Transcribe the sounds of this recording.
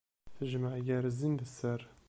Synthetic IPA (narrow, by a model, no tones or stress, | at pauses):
θəʒmaʕjæɾəzənd̪əsərˤ